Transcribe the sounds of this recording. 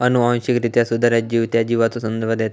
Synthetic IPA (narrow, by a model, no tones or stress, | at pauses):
ənuãw̃ɕikɾit̪jasud̪ʱːaɾad͡ʑiʋt̪jad͡ʑiʋat͡s̪osənd̪əɾbʱəd̪jɛt̪